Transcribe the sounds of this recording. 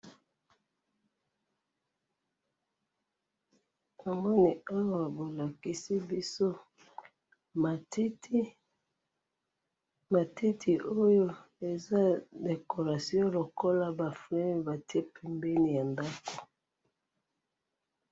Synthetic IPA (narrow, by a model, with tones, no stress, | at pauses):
ja˨ŋɡo˦ni˨a˦wa˨bo˨la˨ki˨si˦bi˦so˦˨˦ | ma˨ti˦tʰi˨o˦jo˦ | e˨za˦de˨ko˨ʁa˨sjɔ̃˦lo˨ko˦la˦ba˨flɛ˦ba˨ti˦e˦pʰɛ˨mbɛ˦ni˨ja˨nda˦ko˨